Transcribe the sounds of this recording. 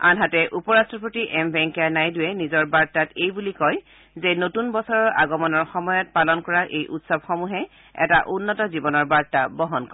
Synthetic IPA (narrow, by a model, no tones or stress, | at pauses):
a̰nɦatɛʔupɔɹastɹɔpɹotiʔɛmbɛŋkanajdʊɛnizɔɹbaɹtatejbulikɔj | zenotunbɔsɔɹɔɹʔa̰ɡɔmɔnɔɹxɔmɔjɔt̚palɔnkɔɹaʔejʔutsɔbxɔmuɦɛ | ɛ̰taʔunːɔtɔzibɔnɔɹbaɹtabɔɦɔnkɔ